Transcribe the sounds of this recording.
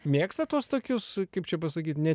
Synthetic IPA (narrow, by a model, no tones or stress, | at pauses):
mʲeːkst̪ɐt̪uɔst̪oːkʲʊskɐɪp̚t͡ʃʲɛpɐsɐkʲiːt̪nʲɛ